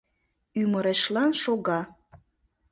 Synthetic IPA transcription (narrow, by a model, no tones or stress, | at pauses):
yməɾeʃlɑnʃoɣɑ